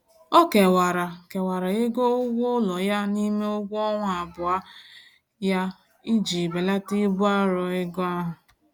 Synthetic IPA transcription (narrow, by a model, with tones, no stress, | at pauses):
ɔ˦ke˨wa˨ɾa˨ke˨wa˨ɾa˨ɣe˦ɡo˦ʊ˦ɡʷʊ˦lɔ˨ja˦ni˦me˦ʊ˦ɡʷɔ˦ŋʷ˦a˨bʊ˨a˦ | ja˦ | i˦d͡ʒi˨be˨la˦ti˦bʊ˦a˦ɾɔ˨ɪ˦ɡɔ˦a˦ɦʊ˨